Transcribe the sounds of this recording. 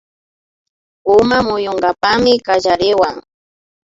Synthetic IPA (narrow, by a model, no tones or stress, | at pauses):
ʊmamʊjoɴɢapamɪkaʒaɾɪwaŋ